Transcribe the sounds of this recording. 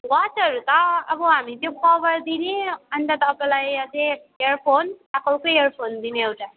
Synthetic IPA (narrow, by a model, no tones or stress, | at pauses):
wat͡ʃʌɾut̪ʌːbʌɦamit̪jokʰʌbʌɾd̪ineʌnd̪at̪ːpʌlajʌse | eɾpʰonakʰʌwkoeɾpʰond̪ineewʈa